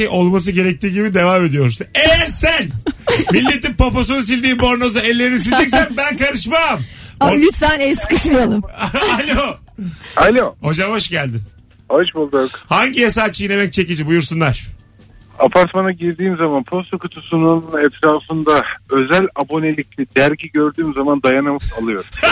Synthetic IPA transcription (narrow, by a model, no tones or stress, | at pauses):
ejʔo̞lˠmas̬ɯɟe̞ɾɛc̚t̪ʰiːɟibid̪e̞vaːme̞d̪ijo̞ɾsunejæɾsænmilʲːet̪impapos̬unusilʲd̪iːbo̞ɾno̞zaɛlʲːe̞ɾinisid͡ʒɛcsænbænkʰaɾɯʃmamolyt̪fænɛjskɯʃmɯalˠɯmalʲo | alʲoho̞d͡ʒamho̞ʃɟælʲd̪in | hoʃbolˠd̪ajokhaɲɟijasaːt͡ʃʰːɯjinemɛc̚t͡ʃʰe̞cid͡ʒibujuɾsunˠaɾ̥ | apʰaɾt̪manaɟiɾd̪iːmzamanpʰo̞st̪ʰokʰut̪ʰusunununɛt̪ɾaːfɯnd̪aø̞zælʲabo̞nelʲic̚ʲlʲid̪æɾɟiɟø̞ɾd̪yːmzamand̪ajanamɯsalˠɯjo̞ɾ